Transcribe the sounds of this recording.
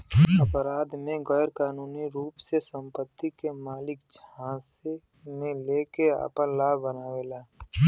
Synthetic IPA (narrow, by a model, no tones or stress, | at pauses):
ɐpɾaːd̪mẽɡɛːɾkaːnuːniɾuːpsesə̃mpət̪ːikemaːlɪkd͡ʒʰãːse | mẽleːkea̰ːpəlaːbənaːʋelaː